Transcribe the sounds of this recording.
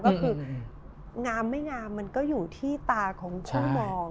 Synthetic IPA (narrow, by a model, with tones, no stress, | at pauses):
kɔ˥˧kʰɯː˧ | ŋaː˧mːa˥˩jŋaː˧mːa˧nkɔː˥˩juː˨˩t̪ʰiː˥˩t̪aː˧kʰɔː˩˦ŋt͡ɕʰa˥˩mɔː˧ŋ